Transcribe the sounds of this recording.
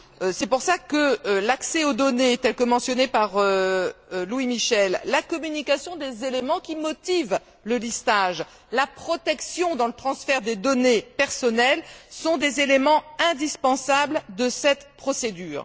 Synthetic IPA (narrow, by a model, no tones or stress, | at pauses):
sɛpuʁsakəlaksɛod̪ɔnet̪ɛlkəmɑ̃sjɔnepaʁø | lwimiʃɛlːakɔmynikʲasjɔ̃d̪ezelemɑ̃kʲimɔt̪iv | ləlist̪aʒ | lapχɔt̪ɛksjɔ̃d̪ɑ̃lət̪χɑ̃sfɛʁd̪ed̪ɔnepɛʁsɔnɛlsɔ̃d̪ezelemɑ̃ɛ̃d̪ispɑ̃sabld̪əsɛt̪pχɔsed̪yːʁ